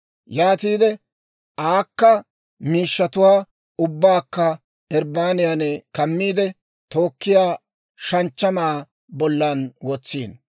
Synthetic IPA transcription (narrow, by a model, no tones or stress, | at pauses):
jaːt̪iːd̪ɛ | ʔaːkːɐ | miːʃːɐt̪ʊwaː | ʊbːaːkːɐ | ɛɾbaːnɪjanɛkɐmːiːd̪ɛ | t̪o̞ːkːɪjaː | ʃɐnt͡ʃːɐmaː | bɔlːɐnwɔt͡sːiːn